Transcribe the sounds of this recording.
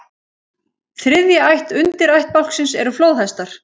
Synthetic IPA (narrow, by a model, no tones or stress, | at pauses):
θɾɪðjaajht̪ʏnt̪ɪɾajht̪̚pawl̥ksɪnsɛɾʏfloːwðhajst̪aɾ̥